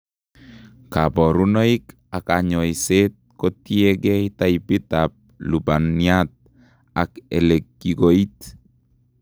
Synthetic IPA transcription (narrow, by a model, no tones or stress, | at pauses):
kabɔɾunoik | akaɲɔiset̪̚kotiɛɡɛit̪aipitap̚lubaniat̪̚ | akɛ̰lekːiɡoit̪